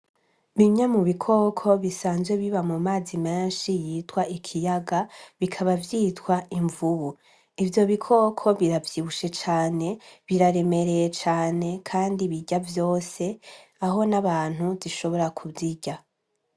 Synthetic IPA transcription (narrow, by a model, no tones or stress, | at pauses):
βiɲɲamuβikʰo̞ːkʰo̞βisaːnzweβiβamumaːzimeːnʃijiːtwaikʰijaɡaβikʰaβavjiːtwaiɱvuβu | ivjo̞βikʰo̞kʰo̞βiɾavjiβuʃe̞t͡ʃaːne̞βiɾaɾe̞me̞ɾe̞jet͡ʃaːne̞kʰaːndiβiɟavjo̞ːse̞aɦo̞naβaːn̥huziʃo̞βo̞ɾakʰuvziɟa